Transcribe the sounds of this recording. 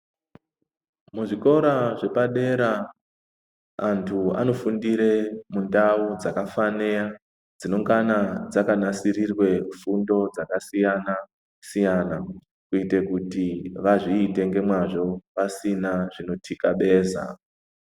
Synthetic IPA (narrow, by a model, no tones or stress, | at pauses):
muʐiko̞ɾaʐe̞paɗe̞ɾa | ntʰua̰no̞fundiɾe̞mundaud͡zakafaneja | d͡zino̞ŋɡanad͡zakanasirirwe̞fundo̞d͡zakasijana | sijana | kuite̞kutiʋaʐiːte̞ŋɡe̞mwaʐo̞ʋasinaʐino̞tʰikaɓe̞ːza̰